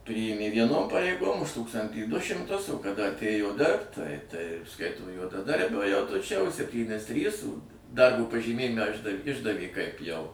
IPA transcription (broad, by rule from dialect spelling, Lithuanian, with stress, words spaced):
ˈpʲrʲiːjeːmʲeː ʋʲiɛˈnoːm pɐrʲɛɪˈɡoːm ʊʃ ˈtuːkstɐnʲtʲiː ˈdʊ ʃʲɪmˈtʊs oː kɐˈdɐ ɐtʲˈeːjoː ˈdʲɪrpt ˈtɐɪ ˈtɐɪ ˈskɐɪtoː juɔdɐˈdɐrʲbʲoː jɛʊ tʊ ˈt͡ʃʲɛ ʊʃ sʲɛpʲˈtʲiːnʲɪs ˈtʲrʲiːs ˈdɐrboː pɐʒʲiːˈmʲeːjɪmʲɛ ˈɪʒdɐ ˈɪʒdɐʋʲeː kɐɪp jɛʊ